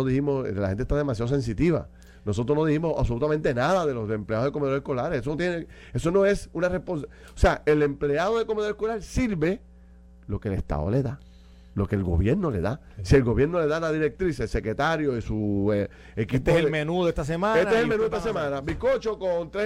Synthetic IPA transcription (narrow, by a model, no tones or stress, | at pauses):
oðihimosla̰ẽnt̪est̪aðe̞masjaðose̞ns̬it̪iβa̰ | no̞sot̪ɾosnoðihimosa̰βso̞lut̪amẽnt̪enaðaðe̞losempleaðoðekomeðoekolaɾesesonot̪jene | e̞so̞no̞e̞sunarespons | oseae̞le̞mple̞aðoðekomeðoekolaɾsiɾβe̞ | lo̞kelest̪a̰ðo̰le̞ða | lo̞kelɡo̞̰βjeɾno̞le̞̰ða | sie̞lɡo̞βje̞ɾno̞le̞ðalaðiɾek̚t̪ɾiselse̞kɾe̞t̪aɾjo̞isue | ekiiposemenuðet̪as̬emãet̪eselmenuðet̪asemãnabikot͡ʃokont̪ɾe